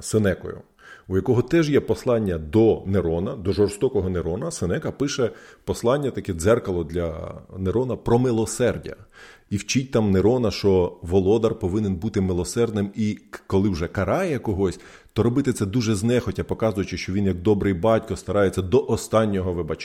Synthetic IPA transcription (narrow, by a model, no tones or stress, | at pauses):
senɛkɔ̰jʊ̰ | ujɐkɔɦɔt̪ɛʒjɛpɔslˠɑnʲːɐd̪ɔneɾɔnɐd̪ɔʒɔrst̪ɔkɔɦɔneɾɔnɐsɪnɛkɐpɪʃɛpɔslˠɑnʲːɐt̪ɐkɛd̪zɛrkɐlˠɔd̪lʲɐneɾɔnɐpɾɔmɪlˠɔsɛrdʲɐ̰iwt͡ʃit̚ʲt̪ɑmneɾɔnɐʃɔʋɔlˠɔd̪ɐrpɔʋɪnenbut̪ɪmɪlˠɔsɛrd̪nɪmikɔlˠɪwʒɛkɐɾɑjɛkɔɦɔsʲ | t̪ɔɾɔbɪt̪ɪt̪sɛd̪uʒɛznɛxɔtʲɐpɔkɑzʊjʊt͡ʃɪʃt͡ʃɔʋʲinjɐk̚d̪ɔbɾɪjbɑtʲkɔst̪ɐɾɑjet͡sʲːɐd̪ɔʔɔst̪ɑnʲːɔɦɔʋɪbɑt͡ʃ